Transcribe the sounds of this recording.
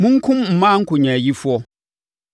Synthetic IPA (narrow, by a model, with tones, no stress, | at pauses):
mʊ̃˦ŋ˦kʰʊ̃˦mm̩˨mã˦ŋ̩˦kʰʊ˨ɲã˨ji˦fʊ˦ɔ˦